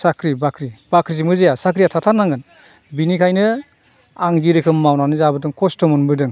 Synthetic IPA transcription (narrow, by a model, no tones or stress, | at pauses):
sakʰɾibakʰɾib̥akʰɾizimɯzɯjasakʰɾijatʰatʰanːaŋɡɯn | binikʰajnɯ | aŋdiɾɯkʰɯmːawnanɯzabɯdɯŋkʰɔstɔmɯnbɯdɯŋ